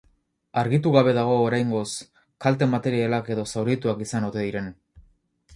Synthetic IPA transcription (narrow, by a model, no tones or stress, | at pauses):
aɾɣit̪uɣaβe̞ðaɣ̞o̞ːɾajŋɡo̞s | kalt̪e̞mat̪e̞ɾialake̞ðo̞sawɾit̪uakisanot̪e̞ðiɾe̞n